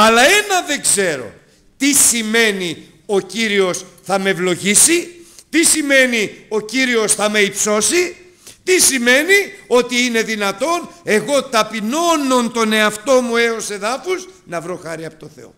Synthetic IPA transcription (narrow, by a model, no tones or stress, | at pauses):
ɐlɐe̞nɐðe̞ɡze̞ɾo̞̰ | t̪isime̞ni | o̞ciɾio̞sθɐmevlo̞ʝisit̪isime̞nio̞ciɾio̞sθɐme̞ipso̞si | t̪isime̞nio̞t̪iine̞ðinɐt̪o̞ne̞ɣo̞t̪ɐpino̞no̞nt̪o̞ne̞ɐft̪o̞mue̞o̞se̞ðɐfuznɐvɾo̞xɐɾiɐpot̪o̞θe̞̰o̞̰